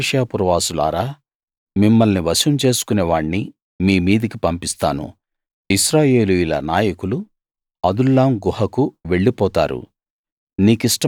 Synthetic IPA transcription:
ʂjaːpuɾʋaːsula̰ːɾaː | mimːɐlniʋɐʃɐmt͡ʃe̞ːsu̥kuneːʋaːɽni | miːmiːd̪ɐkipɐmpist̪a̰ːnṵ | iʃɾaːjeːlujulɐ̰naːjɐkulu | ɐd̪ulːaːmɡuhɐkuʋe̞ɭːipɔːt̪a̰ːɾṵ | niːkisʈɐ

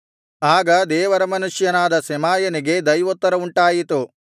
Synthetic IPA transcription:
aːɡɐd̪ɛːʋɐɾɐmɐnuʂjɐnaːd̪ɐsɛmaːjɐniɡe̞d̪ɐjʋot̪ːɐɾɐuɳʈaːjit̪u

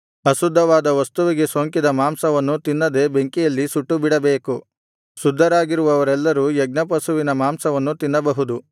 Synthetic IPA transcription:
ɐsud̪ʱːɐʋaːd̪ɐʋɐst̪uʋiɡe̞soːŋkid̪ɐmaːmsɐʋɐnːut̪inːɐd̪e̞be̞ŋkijɐlːisuʈːubiɽɐbeːku | sud̪ʱːɐɾaːɡiɾuʋɐʋɐɾɛlːɐɾujɛɡnɐpɐsuʋinɐmaːmsɐʋɐnːut̪inːɐbɐɦud̪u

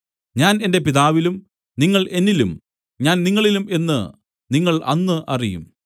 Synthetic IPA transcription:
ɲaːne̞nde̞piðaːʋilum | niŋːɐɭʔe̞nːilum | ɲaːnniŋːɐɭilume̞nːɨ̰ | niŋːɐɭʔɐ̰nːɨʔɐ̰rijṵm

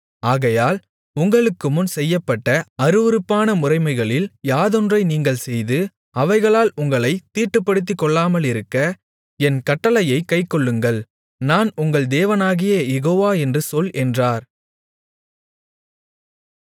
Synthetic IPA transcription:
aːɣɐjaːl | ʊŋɡɐɭɯkːɯmʊnsɛjːɐpːɐʈːɐɐɾɯʋɯɾɯpːaːnɐmʊrɐɪmɐɪɣɐɭɪljaːðɔndrɐɪniːŋɡɐɭsɛjðɯ | ɐʋɐɪɣɐɭaːlʊŋɡɐɭɐɪt̪ːiːʈːɯpːɐɽɯt̪̬ːikːɔɭːaːmɐlɪɾɯkːɐ | ɛnkɐʈːɐlɐjɐɪkːɐɪkːɔɭːɯŋɡɐɭ | naːnʊŋɡɐɭd̪eːʋɐnaːɣɪjɐjɛɣoːʋaːɛndrɯsɔlʔɛndraːɾ

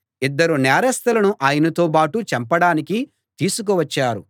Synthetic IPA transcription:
id̪ːɐɾunɛːɾɐst̪ɐlɐnuʔaːjɐnɐt̪o̞ːpaːʈut͡ʃɐmpɐɽaːniki | t̪iːsuk̬uʋɐt͡ʃːaːɾu

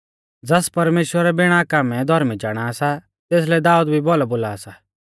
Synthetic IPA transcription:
d͡zɐspɐɾmeːʃwəɾɛbɪɽ̃akaːmɛ̃d̪ʱɔɾmit͡ʃaːɽ̃aːsa | t̪eːs̬lɛd̪aːud̪bʱibɔːlaboːlaːsa

